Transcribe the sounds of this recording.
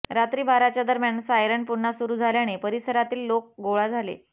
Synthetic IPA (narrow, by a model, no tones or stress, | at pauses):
ɾat̪ɾiːbʱaɾat͡ɕjad̪əɾmjaɳsajɾəɳpuɾɳasuɾuːd͡zʱaljaɽ̃epəɾisəɾat̪iːlːok̚ɡoɭad͡zʱalḛ